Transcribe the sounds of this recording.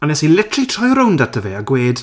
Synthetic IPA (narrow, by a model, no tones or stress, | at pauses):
anɛsilɪtʰritʰrɔjɾʊwndatʰəveːaɡweːd̥